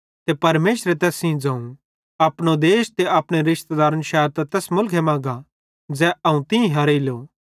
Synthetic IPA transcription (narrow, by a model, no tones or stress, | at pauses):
t̪epɐɾmeːʃɾet̪ɛːsĩd͡zãːũ | ɐpɽ̃od̪eːʃt̪eɐpɽ̃eɾɪʃt̪ed̪aːɾənʃaːəɾt̪at̪ɛːsmʊlkʰemãːɡa | d͡zɛɐũt̪ɪ̃ĩɦɐɾilo